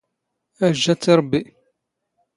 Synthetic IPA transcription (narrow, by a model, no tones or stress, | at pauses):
æʒːæt͡sːiɾˤbːi